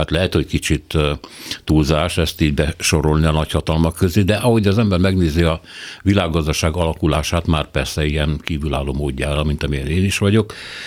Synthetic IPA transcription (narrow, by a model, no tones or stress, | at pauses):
at̪lɛɦɛt̪ho̞ckit͡ʃit̪ː | uːlzaːʃɛst̪iːɟbɛʃo̞ɾo̞lniɒnɒchɒt̪ɒlmɒkːøzeːd̪ɛʔɒɦo̞ɟɒzɛmbɛrmɛɡneːziɒʋilaːɡːɒzd̪ɒʃaːɡɒlɒkula̰ːʃaːt̪maːrpɛrsɛijɛnkiːvyla̰ːlːoːmoːɟːa̰ːɾɒmint̪ɒmiɛneːniʃʋɒɟo̞k